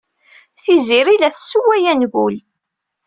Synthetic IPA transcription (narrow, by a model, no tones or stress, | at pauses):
θiziɾilæθsːuwæjænɣul